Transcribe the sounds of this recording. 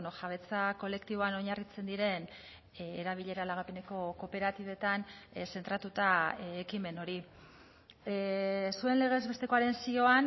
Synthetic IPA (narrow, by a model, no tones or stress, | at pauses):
noʝaβ̞e̞t͡sako̞le̞kt̪iβo̞ano̞ɲarit͡se̞nd̪iɾe̞n | eɾaβ̞iʎe̞ɾalaɣ̞ape̞ne̞ko̞ko̞pe̞ɾat̪iβe̞t̪anse̞nt̪ɾat̪ut̪aekime̞no̞ɾi | sue̞nle̞ɣ̞e̞zβe̞st̪e̞ko̞aɾe̞nsio̞an